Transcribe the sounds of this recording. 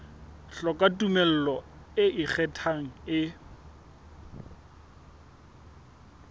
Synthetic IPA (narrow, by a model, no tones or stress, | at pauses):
ɬɔkʼatumɛl̩lɔ | ɪʔɪk͡xʰɛtʰaŋ̩ɪ